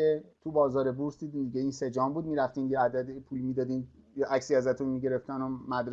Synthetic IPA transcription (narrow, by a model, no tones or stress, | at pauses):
et̪ʰubɒːzɒːɾebuɾsd̪id̪iːnd̪iɟʲeinse̞d͡ʒɒːmbuːd̪miːɾæft̪iːnjeæd̪æd̪epʰuːlmiːd̪ɒːd̪iːn | jʔæcsiɒzæt̪ʰunmiɟe̞ɾeft̪ænomæd̪ɾ